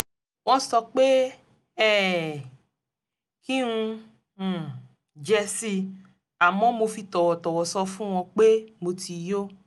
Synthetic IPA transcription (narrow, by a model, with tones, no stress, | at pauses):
w̃ɔ̃˧sɔ˧k͡pe˦ | ɛ˦˨ | ki˦ũ˧˨ | d͡ʒɛ˧si˧ | a˨mɔ̃˨˦mo˧fi˧t̪ɔ˨wɔ˨tɔ˨wɔ˨sɔ˧fũ˦w̃ɔ̃˧k͡pe˦mo˧ti˧jo˦